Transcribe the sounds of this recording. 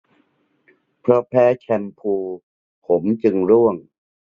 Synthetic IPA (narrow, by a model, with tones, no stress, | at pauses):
pʰɾɔ˦˥pʰɛː˦˥t͡ɕʰɛ˧npʰuː˧ | pʰo˩˦mt͡ɕɯ˧ŋɾu˥˩əŋ